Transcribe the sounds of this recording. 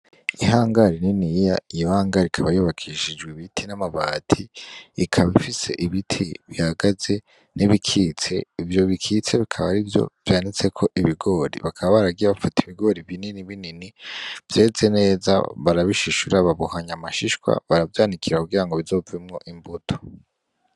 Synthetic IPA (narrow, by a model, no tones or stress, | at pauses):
iɦaːŋɡaɾininijaijohaːŋɡaɾikʰaβajuβakʰiʃid͡ʒɡwiβitʰinamaβatʰiːkʰaβifise̞̰ʔiβitʰiβihaɡaze̞ | niβikʰit͡se̞ivjo̞βikʰit͡se̞βikʰaβaɾivjo̞̰v̥jaːnit͡se̞kʰo̞ʔiβiɡo̞ːɾḭβakʰaβaβaɾaɡiɾaβafatiβiɡo̞ɾiβininiβininiv̥je̞ːze̞ne̞ːza̰βaɾaβiʃiʃuɾaβaβuhaɲamaʃiʃkwa̰βaɾavjaːnikʰiɾakuɡiɾaŋɡo̞βizo̞vimŋoʔimbutʰo̥